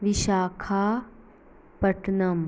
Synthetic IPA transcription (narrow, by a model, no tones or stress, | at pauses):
ʋiʃaːkʰaː | pɐʈnɐm